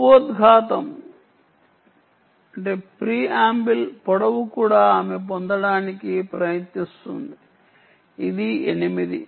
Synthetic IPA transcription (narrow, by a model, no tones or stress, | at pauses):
oːt̪ɡʱaːt̪ɐm | ɐɳʈeːpɾiːaːmbilpɔɽɐʋukuːɽaːaːmep̬ond̪ɐɽaːnikipɾɐjɐt̪nist̪ṵnd̪i | id̪ienimid̪ḭ